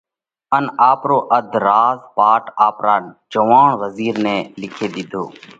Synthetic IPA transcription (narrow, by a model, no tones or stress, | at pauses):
ənaːpɾoːʔəd̪ʱɾaːzpaːʈaːpɾaːd͡ʒəʋaːɳʋəziːɾneːlɪkʰeːd̪ɪd̪ʱoː